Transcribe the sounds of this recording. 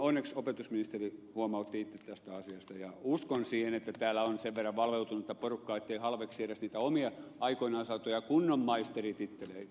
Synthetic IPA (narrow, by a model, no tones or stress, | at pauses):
onːeksopet̪usminist̪erihuomɑut̪ːiit̪ːet̪t̪æst̪æɑsiɑst̪ɑjɑuskonsiːhenet̪ːæt̪æːlːˑæonseʋʋerːɑʋʋɑlʋeut̪unut̪ːɑporukːɑːet̪ːeihɑlʋekssieɾæsniːt̪æomiɑɑikoinɑːsɑt̪ojɑkunːomːɑist̪erit̪it̪ːelei